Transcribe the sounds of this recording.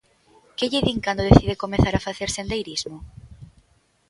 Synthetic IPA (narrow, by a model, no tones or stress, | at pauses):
keʎeðiŋkand̪oðeθiðekomeθaɾafaθeɾsend̪ejɾizmo